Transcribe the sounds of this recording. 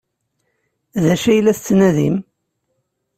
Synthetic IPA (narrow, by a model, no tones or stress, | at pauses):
ðæʃæjlːæθət͡sːnæðḭm